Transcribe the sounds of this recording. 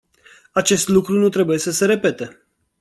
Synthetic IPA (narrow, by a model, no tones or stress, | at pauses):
at͡ʃe̞st̪lukɾunut̪ɾe̞buje̞səse̞ɾe̞pe̞t̪e